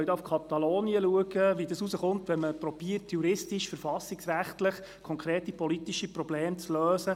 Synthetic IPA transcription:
œjt̪ɑufkʰɑt̪ɑloːniəluəɡ̥əʋid̪əsusəχʊnt̪ʋɛnməpɾɔb̥iərtjuɾɪstiʃfəɾfɑsːiksræχt̪ləχ | kʰɔŋkɾeːtipɔlit̪iʃipɾɔbleːmt͡sløːsə

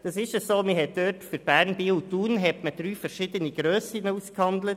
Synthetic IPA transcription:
d̥ɑsɪʃəsoːmɪɦɛt̪̚d̥øːtfyɾb̥æːɾnbiuduːnɦɛtməd̪̥ɾyːfəɾʃɪd̪əniɡ̥ɾøːsinəuskhɑnd̪lət

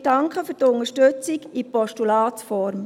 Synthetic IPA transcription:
d̥ɑŋkχəfʏtʊŋəʃtɵt͡siɡipɔʃtulɑːtfɔɾm

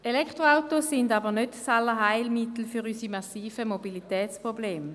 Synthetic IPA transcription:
elɛkʰt̪ʁoaʊtosindabənødsalːəɦaɪlmit̪l̩fyʁysimasiːfəmobilit̪ɛːt͡spʁobleːm

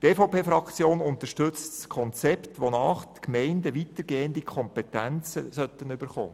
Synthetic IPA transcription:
t̪eːfoʊpʰeːfɾɑkt͡sjoːnʊnt̪əʃtʏt͡stskʰɔnt͡sɛptʋonɑːχt̪kmɛɪndəʋitəɾɡeːənd̪ikʰɔmpɛt̪ænt͡sə̰sœt̪ːənʏbəɾχo̰ː

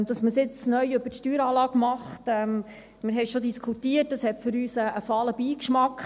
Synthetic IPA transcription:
d̥ɑsməsɪt͡snœjɵbətʃtyːɾɑːlɑːɡmɑχtɛm | mɪɾɦɛɪʃodiskʰutiət̚d̥ɑshɛtfʏɾyːsəːfɑːləbiːkʃmɑkχ

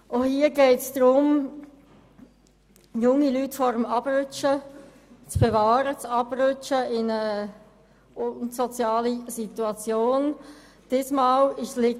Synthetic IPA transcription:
ʔohiːəɡɛɪtsd̥ɾʊm | jʊŋilytfɔɾəmɑb̥rʏt͡ʃə | t͡sb̥evɑːɾət͡sɑb̥rʏt͡ʃəɪnə | sɔt͡sjɑːlisit̪uɑt͡sjoːn | d̥ɪsmaːlɪʃslɪ

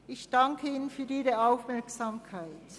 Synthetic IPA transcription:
ɪçd̥aŋkʰəiːnənfyːɐiːʁəaʊfmɛɐksaːmkʰaɪt

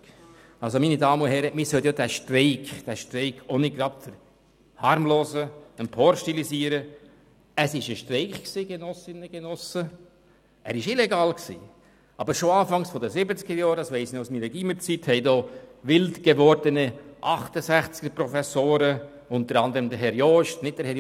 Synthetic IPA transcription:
ɑlsominidɑːməʊnɦɛɾəmɪsœlt̪jod̥̪æʃtɾɛɪkd̪̥æʃtɾɛɪkʰɔniɡɾɑp̚fəɾ | hɑɾmloːzəənpʰɔɾʃtilisiːəɾə | əsɪʃəʃtrɛɪkksiːɡenɔsɪnəɡ̥enɔsə | ʔæːɾɪʃɪlɛɡɑːlksḭː | ɑbəɾʃoɑːfɑŋsfɔd̪əsɪbət͡sɡ̥əɾjɔːɾdɑsʋɛɪsnoʊsmiːɾəɡ̥iːməɾt͡sithɛɪdɔːʋɪldɡ̥eʋɔɾdənəʔɑχtəsæχt͡sɡ̥əpɾɔfɛsoːɾə | ʊnt̪əɾɑnd̪əɾəmd̪əɾɦɛɾjɔːʃtnɪt̚d̥əhɛɾj

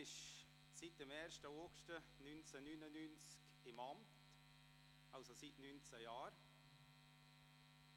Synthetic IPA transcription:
ɪʃ | sit̚d̥ɛmɛːɾʃtəokʃtə | nynt͡sənynənynt͡sk | ɪmɑmt | ɑlsositnynt͡səjaːɾ

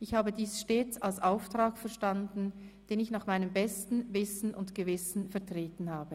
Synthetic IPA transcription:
ʔɪçhaːbədiːsʃteːt͡salsʔaʊftʁ̥aːkfɛɐʃtandn̩d̥eːnɪçnaːχmaɪnəmbɛstn̩vɪsn̩ʊntɡ̥əvɪsn̩fɛɐtʁ̥eːtn̩haːbə

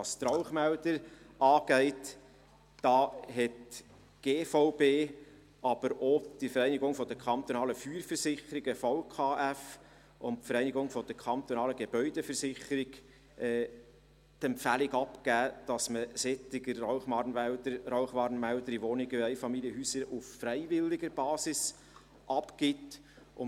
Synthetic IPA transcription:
ɑst̪rɔʊχmæʊd̪əɾ | ɑːɡ̥ɛɪtː | ɑːɦɛt | ɡ̥eːfɔʊbeː | ɑb̥əɾod̥əfəɾɛɪnɪɡʊŋfɔd̪əkʰɑnt̪onɑːləfyːɾfəɾsɪχəɾiɡəfɑʊkʰɑːʔæf | ʊnfəɾɛɪniɡʊŋfɔd̥̪əɾkʰɑnt̪onɑːləɡeb̥œʏd̥ɛfəɾsɪχəɾɪɡ | ʔɛː | t̪ɛmpfælɪɡɑpkæːd̥ɑsməsɛt̪ɪɡəːɔʊχmɑrnʋædəɾaʊχʋɑɾnmæld̪əɾiʋonɪɡəɛɪfɑmiljəɦyːsəɾuffɾɛɪvɪlːɪɡəɾb̥ɑːsɪs | ʔɑpkɪt | ʔʊ

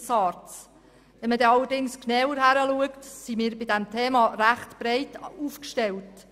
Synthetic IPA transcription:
sɑɾtt͡s | ʋɛmədɛɑlːəɾdɪŋsknɛwəɾhæɾəluəktsimɪːɾbɪdɛmtʰɛːmɑɾæχtb̥ɾɛɪtuːfkʃtɛlt

